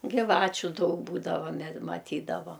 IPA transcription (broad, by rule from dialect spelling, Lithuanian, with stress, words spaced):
ɡʲɪˈʋɑːt͡ʃʲʊ ˈdɐʊk ˈbuːdɐʋoː mʲɛ mɐˈtʲiːdɐʋɐ